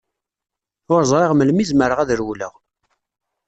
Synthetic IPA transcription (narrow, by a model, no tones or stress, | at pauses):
ʊɾzˤɾˤeʁməlmizməɾəʁæðɾwlə̰ʁ